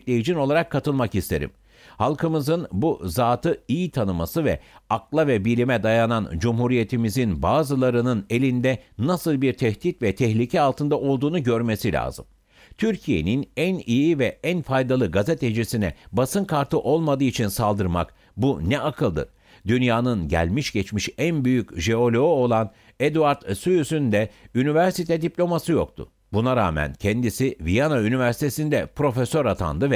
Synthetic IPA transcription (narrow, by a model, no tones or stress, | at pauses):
lʲejid͡ʒino̞lˠaɾakʰːat̪ɯlˠmakist̪ʰe̞̰ɾḭm | halˠkʰɯmɯzɯnbuzaːt̪ʰɯijit̪ʰanɯma̰sɯvɛ̰aklˠavɛbilʲimɛd̪ajanand͡ʒumhuɾije̞t̪ʰimizinbaːzɯlˠaɾɯnɯne̞lʲind̪ɛnasɯlˠbiɾt̪ʰɛht̪it̪vɛt̪ʰɛhlʲicʰɛalˠt̪ʰɯnd̪aʔo̞lˠd̪uːnuɟø̞ɾme̞silʲa̰ːzɯ̰m | t̪ʰyɾcʰije̞̰ninænijivɛænfajd̪alˠɯɡazet̪ʰed͡ʒisinɛ̰basɯnkʰaɾt̪ʰɯʔo̞lˠmad̪ɯːit͡ʃʰinsalˠd̪ɯɾma̰k | bunɛʔakʰɯlˠd̪ɯ̰ɾ̥ | d̪ynjaːnɯnɟæ̰lʲmiʃɟɛt͡ʃmiʃænbyjycʒeo̞lʲoo̞lˠan | ɛd̪uaɾt̪syjysynd̪ɛynivæɾsit̪ʰɛd̪iplʲo̞masɯjo̰k̚t̪ʰʊ̰ | bunaɾa̰ːmæ̰ncʰɛnd̪isivijanaynivæɾsi̥t̪ʰesind̪ɛpɾo̞fesøɾat̪ʰa̰nd̪ɯvɛ